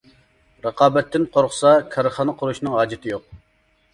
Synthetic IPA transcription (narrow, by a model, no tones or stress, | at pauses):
ɾəqɑːbɛt̪ʰːɪnqʰoɾχʰʊ̥sɑkʲʰɑɾəχɑnəqʰʊɾuʃnɨŋɦɑːd͡ʒɪt̪ʰɪjoq̚